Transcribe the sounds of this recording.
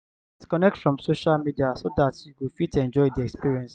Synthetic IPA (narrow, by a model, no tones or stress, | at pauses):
ɛskɔnɛk̚tfɹɔ̃msoʃalmidiasodatjukufitɛ̃nd͡ʒɔɪdiɛkspiɹiɛ̃ns